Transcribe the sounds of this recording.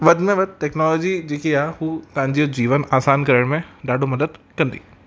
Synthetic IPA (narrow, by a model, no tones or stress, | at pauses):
ʋɐd̪mẽʋɐd̪̚ʈɛːknɔːlɔːd͡ʑid͡ʑeːkiaːɦuːt̪ɐɦãɲd͡ʑijod͡ʑiːʋənaːsaːnkɐɾəɽ̃mẽɖaːɖʱomɐd̪əd̪kɐ̃nd̪ḭː